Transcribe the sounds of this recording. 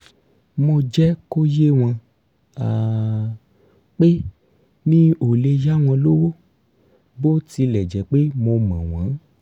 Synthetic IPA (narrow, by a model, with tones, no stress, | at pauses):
mo˧d͡ʒɛ˦ko˦je˦w̃ã˧ | a˨ | k͡pe˦ | nĩ˦o˨le˧ja˦w̃ɔ̃˧lo˦wo˦ | bo˦ti˧lɛ˨d͡ʒɛ˨˦k͡pe˦mo˧mã˨w̃ã˨˦